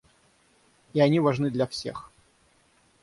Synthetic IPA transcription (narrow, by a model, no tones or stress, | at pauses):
ianʲivaʐnɨd̪lʲɐfsʲḛx